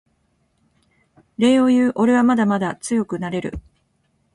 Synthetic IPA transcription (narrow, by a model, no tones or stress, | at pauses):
ɾe̞ːo̞jɯːʔo̞ɾe̞βamad̪amad̪at͡sɨjo̞kɯ̟naɾe̞ɾɯ̟̰